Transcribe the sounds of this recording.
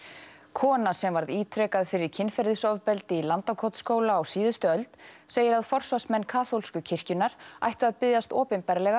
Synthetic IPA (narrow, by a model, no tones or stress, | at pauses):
kʰɔːnasɛmvaɾðiːt̪ʰɾɛːkaðfɪɾɪɾ̥cʰɪnfɛɾðɪsɔvpɛlt̪ɪilant̪akʰɔt̪skoːwlaːwsiːðʏst̪ʏœlt̪seːjɪɾaðfɔr̥svasmɛnːkʰaːθowlskʏcʰɪr̥cʏnːaɾ̥a̰jht̪ʏaðpɪðjast̪ɔːpɪnpɛɾlɛɣa